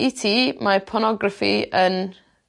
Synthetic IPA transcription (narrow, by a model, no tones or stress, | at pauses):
itʰiːmapʰɔnɔɡrafḭən